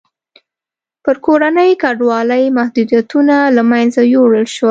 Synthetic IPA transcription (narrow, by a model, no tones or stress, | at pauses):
pəɾkoɾanəjkaɖwɑləjmahd̪ud̪jat̪unalamajnzajoɽəlʃwa